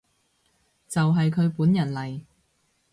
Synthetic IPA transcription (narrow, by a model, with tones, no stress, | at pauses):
t͡sɐ˨wɦɐ˨jkʰɵ˨˧ɥpuː˨˥njɐ˨˩nlɐ˨˩j